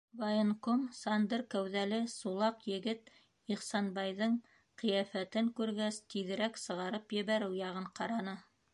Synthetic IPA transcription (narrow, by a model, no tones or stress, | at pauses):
vajenkomsɑnd̪ɤɾkæwðælɘsulˠɑqjɘ̆ɡɘt̪ | iχsɑnbɑjðɤɴ | qɤ̆jæfæt̪ɘŋkʉɾɡæst̪iðɘ̆ɾæksɤ̆ʁɑɾɤpjɘ̆βæɾɘwjɑʁɤɴqɑɾɑnɤ